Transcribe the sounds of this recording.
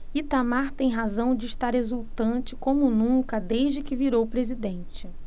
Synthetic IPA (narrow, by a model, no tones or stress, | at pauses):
it̪amaɾt̪ẽj̃ɦazɐ̃w̃d͡ʒɪiʃt̪aɾezuwt̪ɐ̃nt͡ʃɪkõmʊnũŋkɐd̪eʒd͡ʒɪkɪviɾowpɾezid̪ẽnt͡ʃɪ